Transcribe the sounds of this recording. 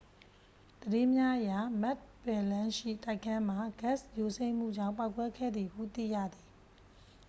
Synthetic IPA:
d̪̥ədɪ̃˦mja˦ʔəja˨ma˦t̚bɛ˨lã˦ʃḭ˦˨ta˦ɪkʰã˦m̥a˨ɡɛ˦˨sjo˨sẽ˦ɪ̃m̥ṵ˦˨d͡ʑã̰˦˨ʊ̃pa˦ʊkːwɛ˦kʰɛ̰˦˨d̪ði˨hṵ˦˨t̪ḭ˦˨jä̰˦˨d̪i˨

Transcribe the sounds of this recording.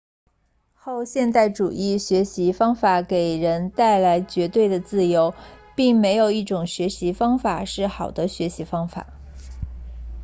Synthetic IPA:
xo˥˧ʊɕjɛ˥˧nt̪a˥˩ɪʈ͡ʂu˨˩i˥˩ɕɥɛ˧˥ɕi˧˥fɑ˥ŋfa˧˩ke˨˩ɪɻə˧˥nt̪a˥˩ɪla˧˥ɪt͡ɕɥɛ˧˥t̪we˥˩ɪd̪ə˩t͡sɹ̩˥˩jo˧˥ʊpi˥˩ŋme˧˥ɪjo˨˩ʊi˥˩ʈ͡ʂʊ˨˩ŋɕɥɛ˧˥ɕi˧˥fɑ˥ŋfa̰˨˩ʂɻ̩˥˩xɑ˨˩ʊd̪ə˦ɕɥɛ˧˥ɕi˧˥fɑ˥ŋfa̰˨˩˦

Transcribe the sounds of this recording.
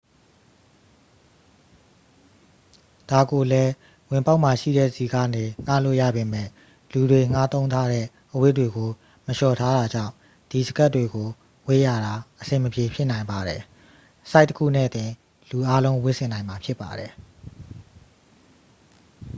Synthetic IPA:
d̥a˨ɡo˨lɛ˦ | wɪ̃˨mpa˦ʊʔma˨ʃḭ˦˨ɾɛ̰˦˨zi˨ɡä̰˦˨ne˨ŋ̥a̰˦˨lo̰˦˨ja̰˦˨be˨mɛ̰˦˨ | lu˨dwe˨ŋ̥a˦t̪õ˦ʊ̃nt̪ʰa˦ɾɛ̰˦˨ | ʔəwɪ˦ʔtwe˨ɡo˨ | məʃɔ˨tʰa˦ɾa˨d͡ʑã̰˦˨ʊ̃ | d̥i˨zəɡa˦tːwe˨ɡo˨ | we˦˨ja̰˦˨ɾa˨ʔəsɪ̃˨məpje˨pʰjɪ˦ʔnã˨ɪ̃mba˨ɾɛ˨ | sa˦ɪtəkʰṵ˦˨nɛ̰˦˨t̪ɪ̃˨ | lu˨ʔa˦lõ˦ʊ̃wɪ˦ʔsɪ̃˨nã˨ɪ̃ma˨pʰjɪ˦pːa̰˨dɛ˨

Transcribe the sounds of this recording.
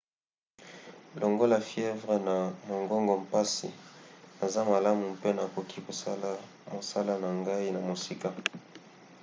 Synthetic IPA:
lo˨ŋɡo˦la˨fjɛ˦vʁe˨na˨mo˨ŋɡo˦ŋɡo˨mpa˦sḭ˨na˨za˦ma˨la˦mu˨mpe˦na˨ko˨ki˦ko˨˦ | mo˨sa˦la˦na˨ŋɡa˦i˦na˨mo˨si˦ka˦

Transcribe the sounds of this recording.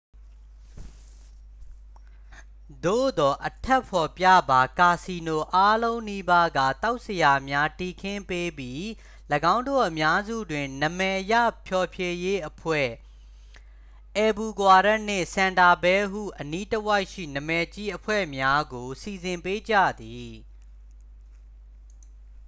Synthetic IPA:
d̪o̰˦˨d̪ɔ˨ʔətʰɛ˦˨pʰɔ˨pjä̰˦˨ba˨ka˨si˨no˨ʔa˦lõ˦ʊ̃ni˦ba˦ɡä̰˦˨t̪a˦ʊʔsəja˨mja˦ti˨kʰɪ̃˦mpe˦bji˦ | ləɡã˦ʊ̃ndo̰˦˨ʔəmja˦zṵ˦˨dwɪ̃˨nə˨mɛ˨ʔjä̰˦˨pʰjɔ˨pʰje˦je˦ʔəpʰwɛ̰˦˨ | ʔɛ˨bu˨ɡwa˨ɾa˦ʔn̥ɪ̰̃˦˨sã˨nda˨bɛ˦ɦṵ˦˨ʔəni˦təwa˦ɪʔʃḭ˦˨nə˨mɛ˨t͡ɕi˦ʔəpʰwɛ̰˦˨mja˦ɡo˨si˨zɪ̃˨mpe˦d͡ʑä̰˦˨d̪i˨

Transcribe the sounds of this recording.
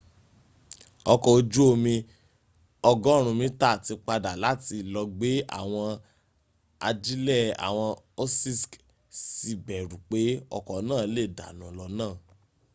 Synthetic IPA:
ɔ˧kɔ˨o˧d͡ʒu˦o˧mĩ˧ | ɔ˧ɡɔ̃˦ɾ̃ũ˧mĩ˦ta˦˨ti˧k͡pa˧da˨la˨˦ti˧lɔ˧ɡ͡be˨˦a̰˦˨w̃ɔ̃˧ | a̰˧d͡ʒi˦lɛ˦˨a̰˨w̃ɔ̃˧ | o˦si˦˨sk | si˧bɛ˨ɾu˨k͡pe˨˦ɔ̰˧kɔ˨˦nãː˦˨˦le˦˨da̰˨nɔ̃˨˦lɔ˧nãː˦˨

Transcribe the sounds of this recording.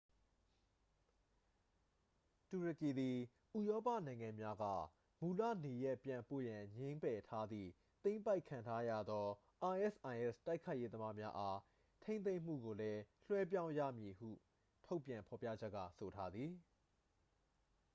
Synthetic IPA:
tu˨ɹə˨ki˨d̪i˨ | ʔu˨jɔ˦pä̰˦˨nã˨ɪ̃ŋã˨mja˦ɡä̰˦˨ | mu˨la̰˦˨ne˨jɛ˦ʔpjã˨mpo̰˦˨jã˨ɲẽ˦mpɛ˨tʰa˦d̪ðḭ˦˨ | t̪ẽ˦ɪ̃mpa˦ɪkʰːã˨ntʰa˦ja̰˦˨d̪ɔ˦ | ʔa˨ʔɛ˦˨sʔã˨ɪʔɛ˦˨sta˦ɪkʰːa˦ɪʔje˦d̪ə˦ma˦mja˦ʔa˦ | tʰẽ˦ɪ̃n̬ẽ˦ɪ̃m̥ṵ˦˨ɡo˨lɛ˦l̥wɛ˦p̬jã˦ʊ̃ja̰˦˨mji˨hṵ˦˨ | tʰo˦ʊpjã˨mpʰɔ˨pjä̰˦˨d͡ʑɛ˦ʔkːa̰˦˨so˨tʰa˦d̪ði˨

